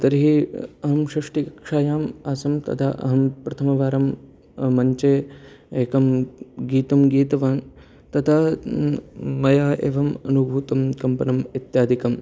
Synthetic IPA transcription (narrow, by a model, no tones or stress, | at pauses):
t̪ɐɾiɦiɐɦɐmʃɾɐʂʈikɐkʂaːjaːmaːsɐmt̪ɐ̰t̪ʰaʔɐ̰ɦɐmpɾɐt̪ʰɐmɐʋaːɾɐmː | ɐɲt͡ʃeː | eːkɐmɡiːt̪ɐmɡiːt̪ɐʋaːn | t̪ɐt̪ʰa | mɐjaːʔḛːʋɐmɐ̰nubʱuːt̪ɐmkɐmpɐnɐmit̪jaːd̪ʱikɐm